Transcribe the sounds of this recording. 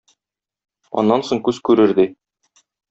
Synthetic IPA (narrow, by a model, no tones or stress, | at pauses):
ɒ̰nːɑnsoŋkʉzkʉɾɘ̆ɾd̪ɘ